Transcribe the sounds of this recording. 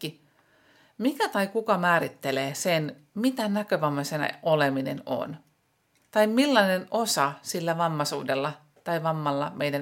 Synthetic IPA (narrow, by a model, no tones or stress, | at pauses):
i | mikæt̪ɑijkukɑmæːɾit̪ːeleːsen | mit̪ænækøʋɑmːɑsen̰ʔoleminḛno̰n | t̪ɑimmilːɑnenosɑsilːæʋɑmːɑsṵːdelːɑ | t̪ɑiʋɑmːɑlːɑmejdæn